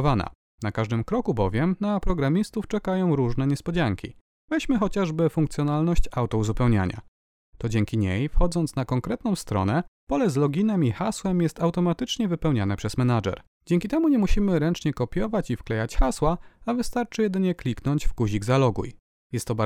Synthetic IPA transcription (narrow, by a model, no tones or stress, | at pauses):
vana̰ | nakaʐd̪ɘmkɾɔkubɔvʲjɛmnapɾɔɡɾamʲist̪uft͡ʂɛkajɔ̃w̃ɾuʐnɛɲɛspɔd͡ʑaŋkʲḭ | vɛɕmɘxɔt͡ɕaʐbɘfuŋkt̪sʲjɔnalnɔɕt͡ɕawt̪ɔuzupɛwɲa̰ɲa̰ | t̪ɔd͡ʑɛŋkʲiɲejfxɔd̪zɔnt̪snakɔŋkɾɛt̪nɔ̃w̃st̪ɾɔ̰nɛpɔlɛzlɔɡʲinɛmixaswɛmjɛst̪awt̪ɔmat̪ɘt͡ʂɲɛvɘpɛwɲanɛpʂɛzmɛnad͡ʐɛ̰ɾ | d͡ʑɛŋʲkʲit̪ɛmuɲɛmuɕimɘɾɛnt͡ʂɲɛkɔpʲjɔvat͡ɕifklɛjat͡ɕxaswaavɘst̪aɾt͡ʂɘjɛd̪ɘɲɛklʲiknɔɲd͡ʑvɡuʑiɡzalɔɡṵj | jɛst̪ːɔba